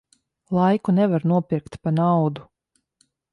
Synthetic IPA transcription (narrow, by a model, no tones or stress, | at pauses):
lˠajkunɛvaɾnuɔpiɾkt̪panawd̪u